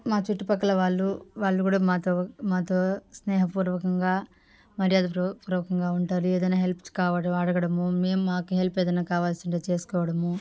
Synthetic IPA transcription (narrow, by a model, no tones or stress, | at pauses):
maːt͡ʃuʈːipɐkːɐlɐʋaːɭːuʋaːɭːɐkuːɽaːmaːt̪oːmaːt̪o̞ːsnɛːɦɐpuːɾʋɐkɐŋɡaː | mɐɾijaːd̪ɐpɾpuːɾʋɐkɐŋɡaːuɳʈaːɾueːd̪ɐjnaːɦelpskaːʋɐɽɐɐɽɐɡɐɽɐmume̞ːmumaːkuɦelpeːd̪ɐjnaːkaːʋaːlsiɳʈeːt͡ʃe̞ːsu̥kɔːʋɐɽɐmu